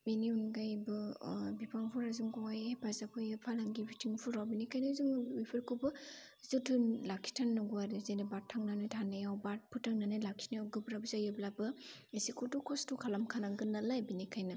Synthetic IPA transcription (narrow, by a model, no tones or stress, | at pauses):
beniunɡajbɯbipʰaŋpʰuɾazuŋɡɔajepʰazapʰɯjɯpʰalaŋɡibitʰiŋpʰuɾawbinikʰajnazuŋmipʰɯɾkʰɯbɯ | zɯtʰɯnlakʰi̥tʰanːaɡuaɾɯzenebaɾtʰaŋnanɯjtʰanajawbat̚pʰutʰaŋnanɯjlakʰi̥najawɡɯbɾabzajɯblabɯesikʰutukʰɔstʰukʰalamkʰanaŋɡɯnːalajbinikʰajna